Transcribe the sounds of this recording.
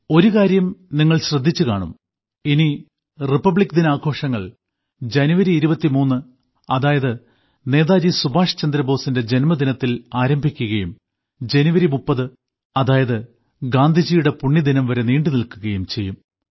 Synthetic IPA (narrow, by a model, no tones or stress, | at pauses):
o̞ɾukaːɾjɐmniŋːɐɭɕrɐd̪ʱːit͡ɕːukaːɳṵm | ini | ripːɐbɭikːd̪inaːɡʱo̞ːʂɐŋːɐɭ | d͡ʑɐnuʋɐɾiːɾubɐt̪ːimuːnːɨ | ɐðaːjɐðɨ | ne̞ːðaːd͡ʑisubʱaːʂɐ̥t͡ɕɐnd̪ɾɐbo̞ːsinde̞d͡ʑe̞nmɐd̪inɐt̪ːilaːɾɐmbʱikʲːuɣɐjum | d͡ʑe̞nuʋɐɾimupːɐðɨ | ɐðaːjɐðɨ | ɡaːnd̪ʱid͡ʑijuɽe̞puɳːid̪inɐmʋɐɾe̞niːɳɖɨnilkuɣɐjumt͡ɕe̞jːum